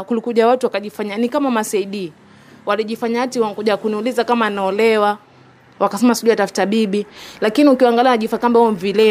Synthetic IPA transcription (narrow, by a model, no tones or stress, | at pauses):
kulikuʄawatuwakaʄifaɲanikamamasaiɗi | waliʄifaɲaatiwakuʄakuniulizakamanaɔlɛwa | wakasɛmasiʄuatafu̥taɓiɓilakiniukiwaŋɡalianaʄifakambaɔmvilɛ